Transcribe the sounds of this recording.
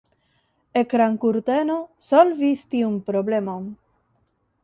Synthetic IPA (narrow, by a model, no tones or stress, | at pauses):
ekɾaŋkuɾt̪enosolvist̪iunpɾoblemon